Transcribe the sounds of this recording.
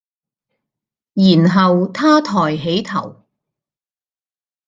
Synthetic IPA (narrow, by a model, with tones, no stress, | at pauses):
jiː˨˩nɦɐ˨wt̪ʰaː˥t̪ʰɔː˨˩jɦe˨˥jt̪ʰɐ̰˨˩w